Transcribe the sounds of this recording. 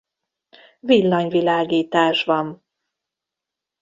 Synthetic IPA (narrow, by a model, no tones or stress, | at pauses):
vilːɒɲvilaːɡiːt̪aːʃvɒn